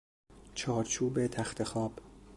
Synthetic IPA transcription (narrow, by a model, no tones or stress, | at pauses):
t͡ʃʰɒːɾt͡ʃʰuːbe̞t̪ʰæxt̪ʰe̞xɒːb̥